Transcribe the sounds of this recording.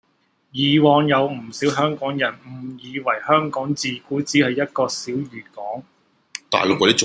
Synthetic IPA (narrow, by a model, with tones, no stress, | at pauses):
jiː˨wɔː˨˧ŋjɐ˨˧wm̩˨˩siː˨˥wɦœː˥ŋkɔː˨˥ŋjɐ˨˩nm̩˨˩jiː˨˧wɐ˨˩jhœː˥ŋkɔː˨˥ŋt͡siː˨kuː˨˥t͡siː˨˥hɐ˨jːɐ˥t̚kɔː˧siː˨˥wjyː˨˩t̚kɔː˨˥ŋ | t̪a̰ː˨jlʊ˨kːɔː˨˧˥i˥˨